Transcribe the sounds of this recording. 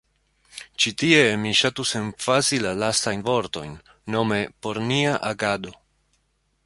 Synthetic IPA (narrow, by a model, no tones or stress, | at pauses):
t͡ʃitie̞miʃatuse̞nfazilalastajnvo̞ɾto̞̰jnː | o̞me̞po̞ɾniaʔaɡado̞